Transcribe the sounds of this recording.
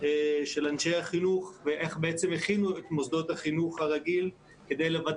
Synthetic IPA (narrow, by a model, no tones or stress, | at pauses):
eʃe̞lanʃejhaχinuχveʔeχbeʔet͡semeχinuet̪mozd̪o̞t̪haχinuχhaʁaɡil | ke̞d̪e̞jlevad